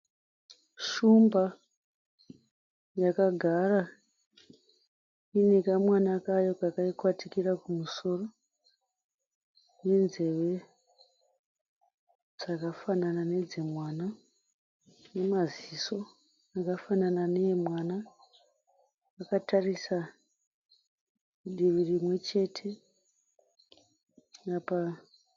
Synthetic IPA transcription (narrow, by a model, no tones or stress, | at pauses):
ʃumba | jakaɡʱara | inekamwanakajo̞kakaikwatikirakumuso̞ro̞ | jenze̞ʋe̞ | d͡zakafananane̞d͡zemwaːna | ne̞maziso̞ | akafananane̞mwana | ʋakatarisa | ɗiʋirimwe̞t͡ʃe̞tʰe̞ | apa